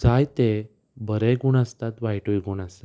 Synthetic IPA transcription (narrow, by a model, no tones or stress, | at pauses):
d͡zajt̪e | bʱəɾɛɡuɳəst̪at̪ʋajʈujɡuɳəst̪at̪